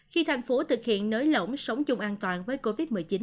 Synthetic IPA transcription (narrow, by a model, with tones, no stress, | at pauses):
xi˧t̪ʰa˧˩jŋ̟fo˨˦t̪ʰɨ˨˩k̚hḭ˧˨ənːəː˨˦jlə̰˧˩wŋ͡msə˨˦wŋ͡mt͡ɕʊ˧ŋ͡mʔaː˧nt̪waː˨˩nvəː˨˦jjko˧vi˦˥t̚mɨ˨˩jt͡ɕi˨˦n